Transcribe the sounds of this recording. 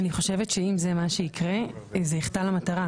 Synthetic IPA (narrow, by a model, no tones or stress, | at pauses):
aniχo̞ʃe̞vetʃeimzemaʃeikʁe̞zeiχtalamataʁa